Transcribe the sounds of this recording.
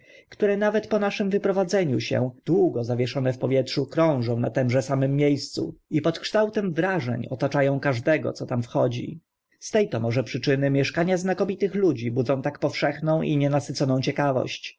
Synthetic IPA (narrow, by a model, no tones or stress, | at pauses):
kt̪uɾɛnavɛt̪pɔnaʂɘmvɘpɾɔvad̪zɛɲuɕɛ̰d̪̥wuɡɔzavʲjɛʂɔnɛfpɔvʲjɛtʂukɾɔ̃w̃ʐɔ̃w̃nat̪ɛmʐɛsamɘmːjejst̪sṵipɔt̪kʂt̪awt̪ɛmvɾaʐɛ̰ɲɔ̰t̪at͡ʂajɔ̃w̃kaʐd̪ɛɡɔ̰t̪sɔt̪amfxɔd͡ʑḭ | st̪ɛjt̪ɔmɔʐɛpʂɘt͡ʂɘnɘmʲjɛʂkaɲaznakɔmʲit̪ɘxlud͡ʑibud̪zɔ̃w̃t̪akpɔfʂɛxnɔ̃w̃ʔiɲɛnasɘt̪sɔnɔ̃w̃t͡ɕɛkavɔ̰ɕt͡ɕ